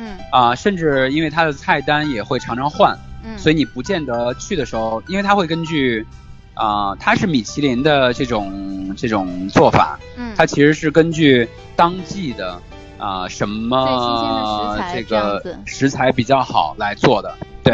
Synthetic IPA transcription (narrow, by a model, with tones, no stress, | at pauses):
ə˧ʂə˥˧nʈ͡ʂɻ̩˥˩i˥nwe˥˩ɪt̪ʰa˥d̪ə˨t͡sʰa˥˩ɪt̪a˥njɛ˨˩xwe˥˩ɪʈ͡ʂʰɑ˧˥ŋʈ͡ʂʰɑ˧˥ŋxwa˥˩nswɔ˧˥i˧˥ni˨˩pu˧˥t͡ɕjɛ˥˩nd̪ɤ˧˥t͡ɕʰy˥˩d̪ə˩ʂɻ̩˧˥xo˧ʊi˥nwe˥˩ɪt̪ʰa˥xwe˥˩ɪkə˥nt͡ɕy˥˩ | ə˧t̪ʰa˥ʂɻ̩˥˩mi˨˩t͡ɕʰi˧˥li˧˥nd̪ə˧ʈ͡ʂɤ˥˩ʈ͡ʂʊ˨˩ŋʈ͡ʂɤ˥˩ʈ͡ʂʊ˨˩ŋt͡swɔ˥˩fa̰˨˩˦ | t̪ʰa˥t͡ɕʰi˧˥ʂɻ̩˧˥ʂɻ̩˥˩kə˥nt͡ɕy˥˩ | t̪ɑ˥ŋt͡ɕi˥˩d̪ə˩ | ə˧˩ʂə˧˥nmə˧ | ʈ͡ʂɤ˥˩ɡə˩ʂɻ̩˧˥t͡sʰa˧˥ɪpi˨˩t͡ɕjɑ˥˩ʊxɑ̰˨˩˦ʊla˧˥ɪt͡swɔ˥˩d̪ə˩t̪we˥˩ɪ